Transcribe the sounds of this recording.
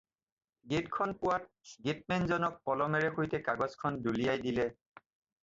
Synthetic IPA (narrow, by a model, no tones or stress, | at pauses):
ɡetkʰɔnpʊwat̚ | ɡet̚mɛnzɔnɔk̚pɔlɔmɛɹɛxojtɛkaɡɔskʰɔndulijajdilɛ